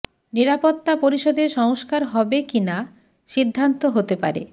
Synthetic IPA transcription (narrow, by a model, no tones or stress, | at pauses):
niɾapot̪ːapoɾiʃɔd̪eɾʃɔŋoskaɾɦɔbekina | ʃid̪ʱːant̪oɦot̪epa̰ɾḛ